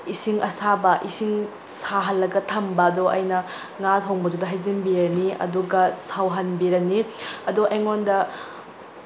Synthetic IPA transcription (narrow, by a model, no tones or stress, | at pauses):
isiŋʔɐsabɐʔisiŋ | saɦɐlːɐɡɐtʰɐmbɐːdoʔɐ̰jnɐ | ŋatʰoŋbɐdudɐɦɐjzinbiɾɐniɐ̰duɡɐsawɦɐnbiɾɐniɐduʔeŋondɐ